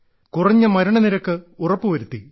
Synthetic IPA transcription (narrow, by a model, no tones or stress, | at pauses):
kurɐɲːɐmɐɾɐɳɐniɾɐkːɨurɐpːɨʋɐɾut̪ːi